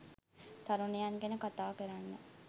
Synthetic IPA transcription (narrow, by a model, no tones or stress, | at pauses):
t̪aɾunejaŋɡenəkat̪aːkəɾanːə